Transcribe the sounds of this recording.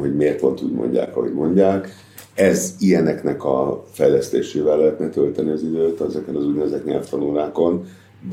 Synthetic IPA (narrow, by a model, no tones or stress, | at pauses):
ɦo̞ɟmeːrp̪o̞nt̪ṵːɟmo̞̰ɲɟa̰ːkɒɦo̞̰ɟmo̞ɲɟaːk | ɛzijɛnɛknɛkɒfɛjlɛst̪ḛːʃeːvɛlːɛɦɛt̪nɛt̪ølt̪ɛniɒzid̪øːt̪ɛzɛkɛnɒzuɟnɛzɛt̪ɲɛ̰lft̪ɒnulaːko̞n